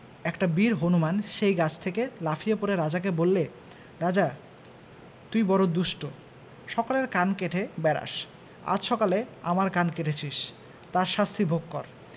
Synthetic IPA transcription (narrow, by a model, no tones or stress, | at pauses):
ɛkʈabiɾɦonumanʃejɡat͡ɕʰt̪ʰekelafʰijepoɾeɾad͡ʑak̬ebolːe | ɾad͡ʑa | t̪ujbɔɾod̪uʃʈo | ʃɔkoleɾkankeʈʰebɛɾa̰ʃ | a̰d͡ʑʃɔkaleamaɾkankeʈʰet͡ɕʰiʃ | t̪aɾʃast̪ʰibʱoɡkːɔɾ